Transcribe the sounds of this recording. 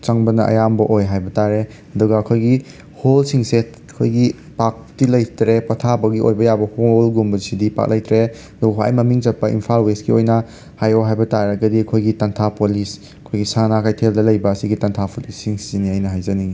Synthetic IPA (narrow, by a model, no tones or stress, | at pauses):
t͡ʃaŋbɐnɐʔɐ̰jambɐʔojɦajbɐtaɾe | ɐdɔɡɐːkʰojɡi | holsiŋset̚ | kʰojɡi | pak̚tilɐjtɾepɐtʰabɐɡio̰jbɐjabɐholɡumbɐsidipa̰k̚lajtɾeɐduɡɐa̰jmɐmiŋd͡ʒɐpːɐʔḭmpʰalwesɡiojnɐ | hajoɦajbɐtaɾɐɡɐdiɐkʰojɡitɐntʰapolis | ɐkʰojɡisanakʰajtʰeldɐlɐjbɐːsiɡitɐntʰapʰolisiŋsiniajnɐɦajzɐni